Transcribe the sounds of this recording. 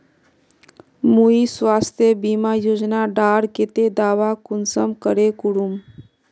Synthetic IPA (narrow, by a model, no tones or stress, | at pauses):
muiswaːst̪ʰjəbimajoːd͡ʒnaɖaːɽket̪ed̪aːʋakʊnsəmkəɾekʊɽum